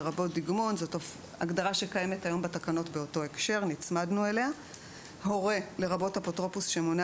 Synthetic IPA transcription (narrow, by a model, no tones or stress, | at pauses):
ʁabo̞t̚d̪iɡmo̞nzotof | a̰ɡdaʁaʃe̞kaje̞metajo̞mbatakano̞tbe̞o̞to̞ekʃe̞ʁnit͡smadnuele̞a | ho̞ʁe̞le̞ʁabo̞tapotʁopusʃemona